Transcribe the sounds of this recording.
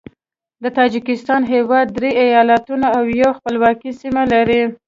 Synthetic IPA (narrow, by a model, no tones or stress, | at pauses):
d̪ət̪ɑd͡ʒikɪst̪ɑnɦewɑd̪ːɾeajɑlat̪unaawjawxpəlwɑkisimalaɾi